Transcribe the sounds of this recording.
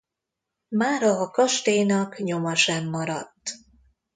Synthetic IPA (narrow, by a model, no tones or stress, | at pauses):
maːɾɒːkɒʃt̪eːjnɒkɲo̞mɒʃɛmːɒɾɒt̪ː